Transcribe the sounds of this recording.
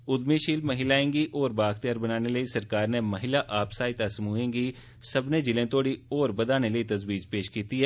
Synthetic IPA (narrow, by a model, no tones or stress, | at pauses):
ʊd̪miʃiːlmɐɦɪlaːẽːŋɡiʔɔːɾbaːkt̪ijaːɾbɐnaːneləisɐɾkaːɾnemɐɦɪlaʔaːpsaːit̪asɐmuẽːŋɡi | sɐbned͡ʒɪlẽt̪oːɽiɔːɾbɐd̪aːneləit̪ɐzbiːd͡ʒpeːʃkiːt̪iɦɛː